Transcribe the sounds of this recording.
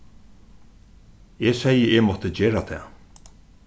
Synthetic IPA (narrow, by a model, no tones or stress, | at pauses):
eːsɛjəʔɛmɔt̪əd͡ʑeːɾat̪ʰɛ̰ː